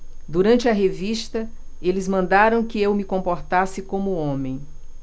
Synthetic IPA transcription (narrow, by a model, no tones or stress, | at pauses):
d̪uɾɐ̃nt͡ʃɪɐɦeviʃt̪ɐelɪzmɐ̃nd̪aɾɐ̃w̃kɪewmɪkõpoɾt̪asɪkõmʊõmẽj̃